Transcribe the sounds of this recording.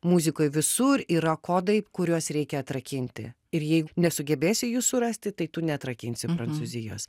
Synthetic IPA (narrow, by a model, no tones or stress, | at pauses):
muːzʲɪkoːjʋʲɪsuɾiːɾɐkoːd̪ɐɪkʊɾʲuɔsɾʲɛɪkʲɛɐt̪ɾɐkʲɪnʲt̪ʲɪ̰ | ɪɾjɛɪɡʊnʲɛsʊɡʲɛbʲeːsʲɪjuːssʊɾɐsʲt̪ʲɪt̪ɐɪt̪ʊnʲɛɐt̪ɾɐkʲɪnʲsʲɪpɾɐnt̪suːzʲɪjo̰ːs